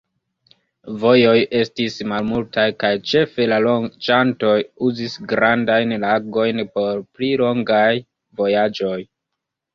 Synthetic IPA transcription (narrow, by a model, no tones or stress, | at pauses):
vo̞jo̞je̞stismalmultajkajt͡ʃe̞fe̞laloŋt͡ʃanto̞juzisɡɾandajnlaɡo̞jnpo̞ɾplilo̞ŋɡaj | vo̞jad͡ʒo̞j